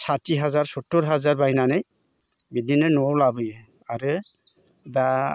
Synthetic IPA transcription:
sʰatiɦazaɹsɔtːuɹɦazaɹbainanaj | bidinɔnuɔwlabɯjɛ | aɾɯ | ba

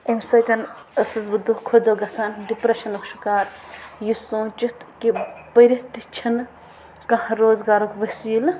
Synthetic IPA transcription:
emsɐt̪ɐn | ɐsɐzbud̪ːukʰod̪oɡɐsaːnɖipɾeʃɐnukʃukaːɾjusõːt͡ʃit̪kibɐɾit̪it͡ʃʰin | kɐ̃hɐɾoːzɡaːɾokʋɐsiːl

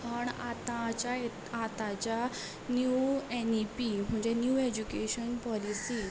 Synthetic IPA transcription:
ɦəɳat̪at͡ɕae | at̪at͡ɕa | njuenipim̤əɳd͡ʑenjuːed͡ʑukeɕənpɔlisiː

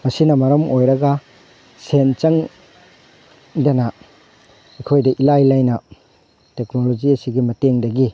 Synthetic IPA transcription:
mɐsinɐmɐɾɐmojɾɐɡɐ | sent͡ʃɐŋ | dɐnɐ | ɐkʰojdɐʔilajlajnɐ | teknolod͡ʒiɐsiɡimɐteŋdɐɡi

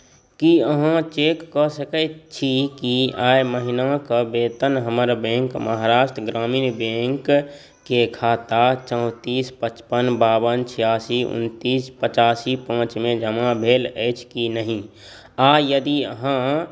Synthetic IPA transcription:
kiəɦãt͡ʃekːɔsəkɛtt͡ʃʰikiaːjməɦinakəbeːt̪ənɦəməɾbẽːŋkməɦaɾaːʃʈ̪ʰəɡɾaːmiːnbẽŋk | kekʰaːt̪at͡ʃə̃ʊ̃t̪iːspət͡ʃpənbaːbənt͡ʃʰijaːsiʊ̰nt̪iːspət͡ʃaːsipãːt͡ʃmẽd͡ʒʱəmabʱeːləɪt͡ʃʰkinəɦĩ | aːjəd̪iəɦã

